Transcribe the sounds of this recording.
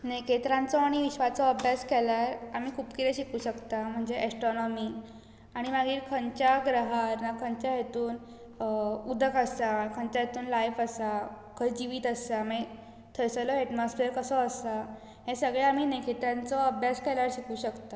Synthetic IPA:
neket̪ɾãnt͡sɔaɽ̃iʋiɕʋat͡sɔəbʱjaskɛlaɾam̤iːkʰuːpkit̪ɛɕikuːɕəkt̪am̤əɳd͡zeʔesʈɾonɔmiː | aɽ̃imaɡiːɾkʰənt͡ɕjaɡɾəɦaɾnakʰəɲt͡ɕjaɦet̪uːn | ud̪ʱəkəsakʰəɲt͡ɕaɦet̪uːnlajfəsa | kʰəjd͡ʑiʋiːt̪əsame | t̪ʰəɾsəlɔɛʈmɔsfeəɾkəsɔəsa | ɦẽsəɡɭeam̤iːnekʰet̪ɾãnt͡sɔəbʱjaskɛlaɾɕikuːɕəkt̪a

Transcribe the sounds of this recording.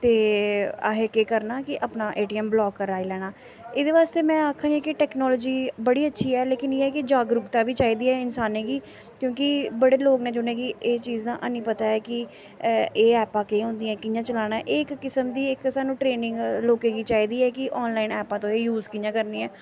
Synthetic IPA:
t̪eːa̰ɦeːkeːkəɾnaːkɪʔəpnaːʔeːʈiːɛːmblɔːkːəɾaːiːlɛːɽ̃aː | eːd̪eːʋaːst̪eːmɛ̃ːaːkʰːãːɡiːkɪʈɛːknɔːlɔːd͡ʒiːbəɽiːətːʃʰiːɛːleːkɪneːɛːkɪd͡ʒaːɡɾupt̪aːʋiːt͡ʃaːiːd̪iːɛːɪnsaːnẽːɡiː | kjõːkɪbəɽeːloːɡnẽːd͡ʒʊnẽːɡiːeːt͡ʃiːzd̪ã̰ːʔnĩːpət̪aːɛːkɪ | eːɛːpãːkeːɦʊ̃ːnd̪iːɛ̃ːkɪjãːt͡ʃəlaːñaːɛʔɪkːɪsəmd̪iːɪkːsaːnũːʈɾeːnɪ̃ŋɡloːkẽːɡiːt͡ʃaːiːd̪iːɛːkɪʔɔːnlaːɪnɛːpãːt̪õːejuːzkɪjãːkəɾniːɛː

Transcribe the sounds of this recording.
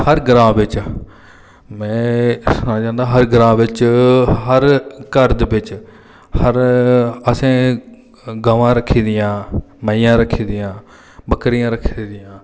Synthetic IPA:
həɾɡɾãːʋɪt͡ʃ | mɛ̃ːsnãːd͡ʒãːnd̪aːɦəɾɡɾãːʋɪt͡ʃɦəɾkəɾd̪ʋɪt͡ʃ | həɾəsẽː | ɡaːʋãːɾəkʰːiːd̪ɪjãː | məijãːɾəkʰːiːd̪ɪjãː | bəkɾɪjãːɾəkʰːiːd̪ɪjãː

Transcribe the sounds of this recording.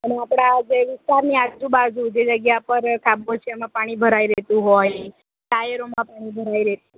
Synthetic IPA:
əneapɽ̃ad͡ʒeʋist̪aɾniad͡ʒũbad͡ʒũd͡ʒed͡ʒəɡjapəɾkʰabot͡ʃʰemãpaɽ̃ibʱəɾajɾet̪ũɦɔj | ʈajeɾomãpaɽ̃ibʱəɾaiɾet̪u

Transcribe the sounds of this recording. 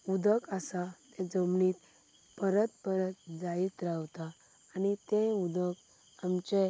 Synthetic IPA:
ud̪əkasat̪ɛd͡zəmɳiːt̪ | pəɾət̪̚pəɾət̪̚d͡zait̪ɾawt̪aː | nit̪ẽud̪ək | amt͡ɕe

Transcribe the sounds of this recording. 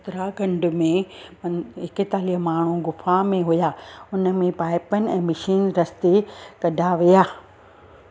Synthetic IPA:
t̪ɾaɡɐ̃ɳɖʊ̆mẽ | ɦɪkɪt̪aːliɦmaːɳ̤uɡʊfamẽɦʊjaːʊnə̆mẽpaːɪpənɪ̆ɛ̃ːmɐʃiːnɾɐst̪ekɐɖʱaʋijaː

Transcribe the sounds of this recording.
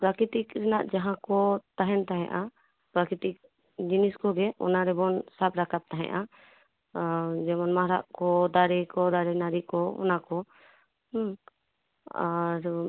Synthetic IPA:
pɾakɾit̪ikɾɛnaʔd͡ʒaɦãkɔt̪aɦɛnt̪aɦɛ̃ʔa | pɾakɾit̪ik̚ | d͡ʒiniskɔɡɛʔɔ̰naɾɛbɔnsap̚ɾakap̚t̪aɦɛ̰̃ʔa | d͡ʒɛmɔnmaɾaʔkɔd̪aɾɛkɔd̪aɾɛnaɾikɔɔ̰nakɔ | a̰ɾ

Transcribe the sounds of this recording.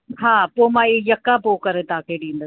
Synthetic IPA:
ɦãːpoːmãːejɐkːapoːkɐɾet̪aːkʰeɖĩːnd̪ə

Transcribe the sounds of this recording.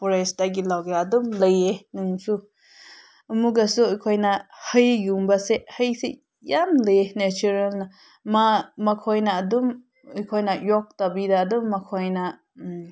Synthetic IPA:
pɔɾesdaɡilawɡeadumləjenuŋsu | ɐmuɡasuɔjkʰɔjnahəjɡuŋbasehəjsḛ | jamləjenet͡ʃuɾalna | mamakʰɔjnaːdum | ɯjkʰɔjnajɔk̚tabidaːdumːakʰɔjna

